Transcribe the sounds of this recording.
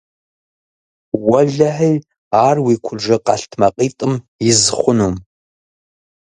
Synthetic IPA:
wɐɮɐħij | aːrwiːkʷʰʊʐɐqɑ̰ɬtʰmɐqʼiːtʼɨm | jɪzχʷʊnum

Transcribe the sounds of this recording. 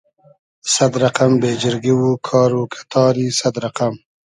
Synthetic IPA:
sad̪ɾaqambeːd͡ʒɪɾɡiwukʰɑːɾukʰḁt̪ʰɑːɾisad̪ɾaqam

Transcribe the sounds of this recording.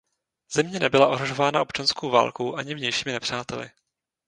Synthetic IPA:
z̥ɛmɲɛnɛbɪlaʔoɦɾoʒo̞vaːnaʔo̞pt͡ʃanskowva̰ːlkoʔaɲɪvɲɛjʃiːmɪnɛpr̝̥aːt̪ɛlɪ̰

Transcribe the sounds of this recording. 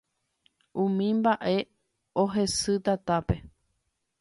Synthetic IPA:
ʔũmĩmbaʔe̞ | oɦe̞sɨt̪at̪ape̞

